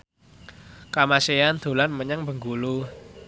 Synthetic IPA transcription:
kamaseand̪̥o̤lanməɲaŋbə̤ŋɡulu

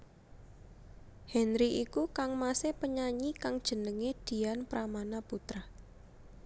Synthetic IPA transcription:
hɛnɾiʔikukaŋmasepəɲaɲikaŋd̥ʒ̥ə̤nəŋed̪̥i̤anpɾʔamanaput̪ɾa

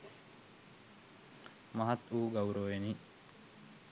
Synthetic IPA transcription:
mɐɦat̪uːɡauɾoːʋeni

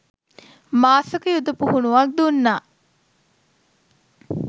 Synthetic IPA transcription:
maːsəkəjud̪əpuhunuʋak̚d̪unːaː

